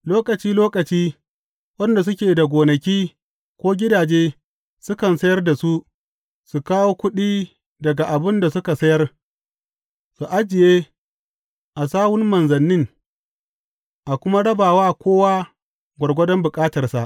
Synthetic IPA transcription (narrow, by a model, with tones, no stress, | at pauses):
loː˦kɐ˨t͡ʃiː˦loː˦kʼɐ˨t͡ʃiː˦ | wɐ˦nda˨s̬ʊ˦kʲeː˨da˨ɡʷoː˨nɐ˨kʲiː˦ | kʷoː˦ɡʲɪ˦daː˨d͡ʒeː˦ | sʊ˦kɐ˨nsɐ˦jɐ˦rda˨su˦ʔ | su˨kaː˦woː˦kʷʊ˦ɗiː˦ | dɐ˨ɡa˨ʔa˨bɪ˦nda˨sʊ˦ka˨sɐ˦jɐ˦r | su˨ʔa˦d͡ʒɪ˨jeː˦ | ʔa˨saː˦wʊ˦mmɐ˨nzɐ˨nːɪ˦ŋ | ʔa˨kʷʊ˦ma˦ɽɐ˦baː˨waː˦kʷoː˦waː˦ | ɡʷɐ˨ɽɡʷɐ˦dɔ˦mbʊ˨kʼaː˦tɐ˨rsa˨ʔ